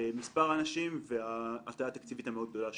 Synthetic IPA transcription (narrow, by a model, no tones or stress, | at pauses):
mispaʁaːnaʃimveaːt̪aaːt̪akt͡sivit̪ameo̞d̪ɡ̚d̪o̞la